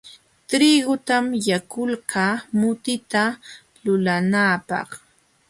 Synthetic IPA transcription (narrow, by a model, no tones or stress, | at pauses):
t̪ɾiːɡʊt̪amjakʊlɢaːmʊt̪ɪt̪a | lʊlanaːpɑ̰χ